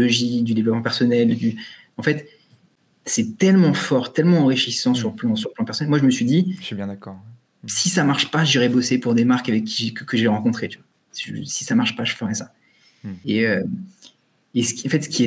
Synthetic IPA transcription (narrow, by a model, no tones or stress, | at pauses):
ɔʒid̪yd̪evlɔpmɑ̃pɛʁsɔnɛld̪y | ɑ̃fɛt̪ | sɛt̪ɛlmɑ̃fɔʁt̪ɛlmɑ̃ɑ̃ʁiʃisɑ̃syʁləplɑ̃syʁləplɑ̃pɛʁsɔnɛlmwaʒəməsɥid̪iʃibjɛ̃d̪akɔʁ | sisamaʁʃpaʒiʁɛbosepuʁd̪emaʁkavɛkʰʲːiʒekəkəʒeʁɑ̃kɔ̃t̪χet̪yva | ʒsi̥samaʁʃpaʒəfəʁɛsa | eø | esə̥kʲiɑ̃fɛt̪sə̥kʲiɛ